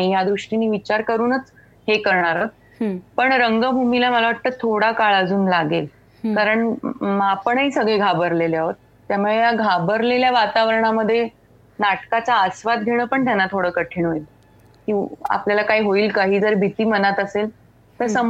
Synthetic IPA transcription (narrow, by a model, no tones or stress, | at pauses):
ijad̪ɾuʂʈiniːʋit͡ɕaɾkəɾuːnət͡s | hekəɾɳaɾɦət̪̚ | pəɳɾəŋɡəbʱumilaməlaʋaʈ̚t̪əːt̪ʰoɽakaɭəd͡zuːnlaɡel | kaɾəɳmapəɳəiːsəɡɭeɡʱabəɾleleaɦət̪̚ːjamoɭejaɡʱabəɾleljaʋat̪aʋəɾəɳ̃aməd̪ʱːje | naʈkat͡saəsʋat̪̚ɡʱeɽ̃əːpəɳt̪janːat̪ʰoɽəːkəʈʰiɳɦoil | kĩa̰pljalakaiɦoiːlkaɦiːd͡zəɾbʱit̪iːmənat̪əsel | t̪əɾsəm